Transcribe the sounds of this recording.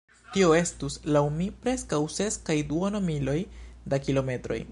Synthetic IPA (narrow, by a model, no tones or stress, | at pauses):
tio̞e̞stuslawmipɾe̞skawse̞skajduonomilo̞jdakilo̞me̞tɾo̞̰j